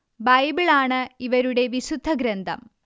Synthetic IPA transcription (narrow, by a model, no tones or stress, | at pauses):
bɐjbɨɭaːɳɨiʋɐɾuɽe̞ʋiɕud̪ʱːɐɡɾɐnd̪ʱɐ̰m